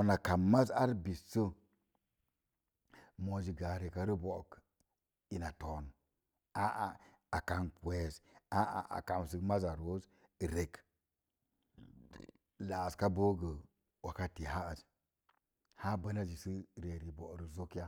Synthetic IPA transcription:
na˨ka˨mmːa˦za˦ɾbi˨sə˦ | mo˨d͡ʒi˨ɡa˨ɾe˨ka˨ɾi˦bo˨k | i˨na˨to˨n | a˦ʔa˨ | a˨ka˨nkwe˨za˦a̰˨ʔa̰˨ka˨m˨s̬i˦kma˦za˨ɾo˦z | ɾe˨k | la˨ska˦bo˦ɡə˨ | wa˨ka˦ti˨ha˦ə˨s | ha˦bə˦na˦d͡ʒi˨si˦ɾe˨ɾi˨bo˨ɾə˨zo˦kja˦

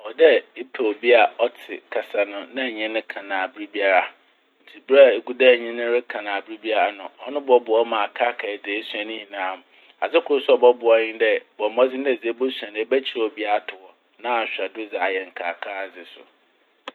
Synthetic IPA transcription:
ɔ˨dɛ˦e˦pʰe˨o˨bi˦a˨ɔ˦tʰɪ̰˨kʰa˨sa˨nʊ̃˨nã˦˨ɲɛ̃˦nʊ̃˦kʰã˨nã˨bɾi˦bi˦a˦ɾa˦ | n̩˨tʰi˨bɾa˦˨e˨ɡu˦da˦˨ɲĩ˦nɪ̃˦ɾɪ˦kʰã˨nã˨bɪ˦ɾi˦bi˦a˦ɾa˦nʊ̰̃˨ɔ˦nʊ̃˦bɔ˦bʊ˨ɔ˦mã˨a˨kʰa˦kʰa˨ɛ˨d͡zɪ˨e˦su˨ã˨nɪ̃˦hĩ˨nãː˨˦mʊ̃˨ | a̰˨sɪ˦kʰʊ˨ɾʊ˦sʊ˦ɔ˨bɔ˦bʊ˨ɔ˦ɲɪ̃˦dɛ˦bɔ˨mɔ˦d͡zɪ˦n˦dɛ˦˨d͡ze˨˦bo˦sã˨ñ˦bɛ˦t͡ɕʰi˨ɾɔ˨bi˦a˦˨tʰʊ˨wɔ˨ | nã˦˨ɕᶣa˨dʊ˦d͡za˨a˨jɛ˨ŋ̩˨kʰaː˨kʰa˦˨d͡zɪ˨sʊ̰˨

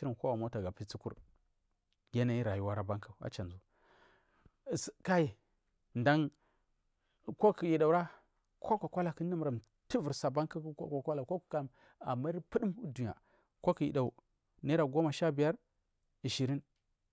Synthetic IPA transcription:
i˦ɾi˨nkʷo˦wa˨mo˦ta˨ɡa˨pi˦t͡si˦kṵ˦ɾ | ɡe˦na˨i˦ɾa˨ju˦wa˦ɾa˦ba˦ŋka˨a̰˨t͡ʃa˨nzu˦˨ | ska˦i˨ | nda˦ŋ˨ | ko˦ki˨ji˨ɗa˨u˨ɾa˦ | kʰo˦ka˨kʷa˦la˨ki˦n˦di˦m˨ɾa˨m | ti˦vu˨ɾsa˨ba˦ŋka˦ko˦ka˨kʷa˦la˨ko˦ku̥˨ka˦˨m | a̰˨mːa˦i˦ɾpə˦di˦mu˦du˨ɲ˨a̰˨ | ko˦ki˨jḭ˨ɗa˨u˨ | na˦ɾa˨ɡo˦ma˨ʃa˦bi˨ja˦ɾ | i˨ʃi˨ɾi˦n

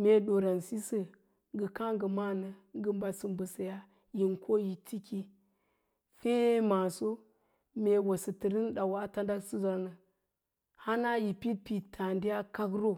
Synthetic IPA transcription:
me˨ɗo˨ɾa˨nsi˦sə˨ | ŋɡə˨ka˦ŋɡə˨ma˦nə˨ŋɡə˨mba˨sɨ˨mbə˨sə˨ja˦ | ji˨nkʰo˦ji˨ti˦ki˦ | fe˦ma˨so˦ | me˨wo˨sə˨tə˨ɾi˦nɗa˨wa˦ta˦nda˦su˦za˨ɾnə˨ | ha˦na˦ji˨pi˦t̚pi˨tʰa˨ndi˦ja˦ka˦kɾo˦

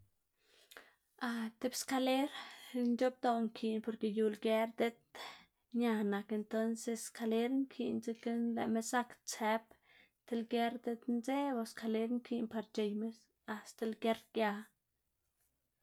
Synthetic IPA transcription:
a˧t̪e˧bska˧le˦ɾnd͡ʒo˦b̚d̪o˧˨ŋkʰi˧npo˧ɾke˧ju˧lɡe˧˦ɾd̪e˧t̪̚ | ɲa˧na˧ke˧nt̪o˦nse˧ska˧le˦ɾŋkʰi˧˨nt͡si˧ke˦nlḛ˧me˧sa˦˧kt͡se˧p | t̪e˧lɡe˧ɾd̪e˧t̪nze˦ba˧ska˧le˦ɾŋkʰi˧npa˧ɾt͡ʃe˧jmes | a˧st̪a˧lɡe˧ɾɡja˧

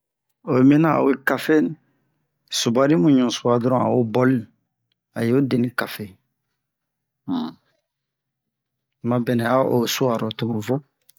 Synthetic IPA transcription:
o˨˦mɛ˦na˦a̰˨we˦ka˨fe˦n | su˨ba˨ɾi˦mũ˨ɲũ˨su˨a˨dɔɾɔ̃˦a̰˨o˦bɔ˦li | a̰˨jo˦de˨nĩ˦ka˨fe˨ | ma˦bɛ˨nɛ˨a˦o˨su˦a˨ɾɔ˨to˨mo˨vɔ˦

